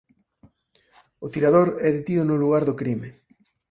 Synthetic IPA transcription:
ʊt̪iɾað̞oɾɛðet̪iðʊnʊluɣaɾðʊkɾime

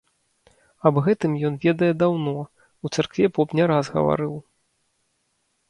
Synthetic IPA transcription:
ɐbɣɛt̪ɨmjɔnvʲɛd̪ɐjɛd̪awnɔ | ut̪sarkvʲɛpɔpnʲɛɾazɣɐ̰va̰ɾɨw

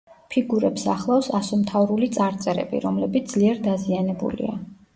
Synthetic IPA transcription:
pʰiɡuɾɛpsa̰χlˠafsasumt̪ʰavɾulit̪sʼaɾt̪sʼɛɾɛ̰bḭɾɔmlɛbit̪̚ʰd̪z̥liɛɾd̪azianɛbṵlḭa̰

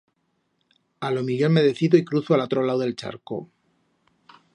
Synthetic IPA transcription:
alo̞miʝoeme̞ðe̞θiðoikɾuθoalot̪ɾo̞lawðe̞lt͡ʃa̰ɾko̰

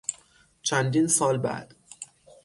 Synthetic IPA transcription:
t͡ʃʰænd̪iːnsɒːlbæ̰d̪̥

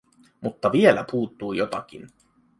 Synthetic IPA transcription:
mut̪ːɑʋie̞læpuːt̪ːuːjo̞t̪ɑk̟ḭn

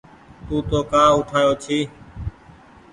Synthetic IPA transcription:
t̪uːt̪oːkaːʊʈʰaːjoːt͡ʃʰiː

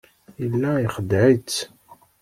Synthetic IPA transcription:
ilːæiχəd̪ʕit͡s

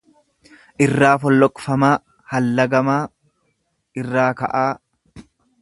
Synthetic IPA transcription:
ʔɪrːaːfɔlːɔkʼfɐmaː | hɐlːɐɡɐmaː | ɪrːaːkɐ̰ʔaː

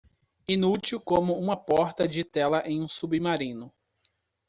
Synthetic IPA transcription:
ĩnut͡ʃiwkõmʊũmɐpɔɾt̪ɐd͡ʒɪt̪ɛlɐʔẽj̃ũsubimaɾĩnʊ

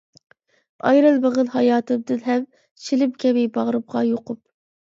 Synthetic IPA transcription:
ɑ̰jɾɨlˠbeʁəlˠhɑjɑːt̪ʰɨd̪ɨnɦɛm | t͡ʃʰilɪpkʲʰɛmɪjbɑʁɾɨp̚ʁɑjoqʰʊp̚

